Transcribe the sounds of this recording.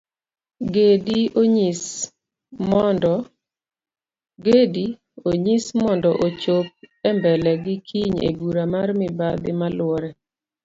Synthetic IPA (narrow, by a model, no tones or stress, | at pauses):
ɡedioɲis | mɔnd | ɡedi | oɲismɔndɔʔot͡ʃop̚ɛmbɛlɛɡɪkʰiɲḛbuɾamarmɪbad̪ɪmalʊɔɾɛ